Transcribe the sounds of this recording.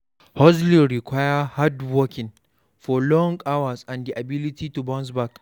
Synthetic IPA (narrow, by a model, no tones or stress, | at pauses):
hɔzliɾɪkʷaːjɐhadwɔkʲɪ̃n | fɔlɔŋɡawɐsãndiʔabɪlɪtitubɔ̃ns̬bak